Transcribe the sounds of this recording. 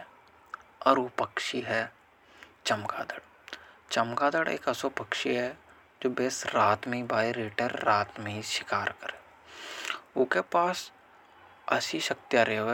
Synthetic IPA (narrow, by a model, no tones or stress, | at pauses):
ɔːɾopəkʃiɦɛ | t͡ʃəmkaːd̪əɽ | t͡ʃəmkaːd̪əɽḛːkəsopəkʃiɦɛ | d͡ʒoːbeːsɾaːt̪mẽibaːiɾiːʈəɾːaːt̪mẽɦiʃɪkaːɾkəɾeː | ʊkepaːs | ɐ̰siʃɐk̚t̪jaɾeo